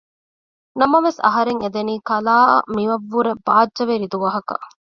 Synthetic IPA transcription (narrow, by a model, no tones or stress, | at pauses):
nɐmɐʋesɐ̰ɦɐɾeŋed̪eniːkɐlaːɐ̰miʋɐʋːuɾebaːdʒɐʋeɾid̪uʋɐɦɐkɐ̰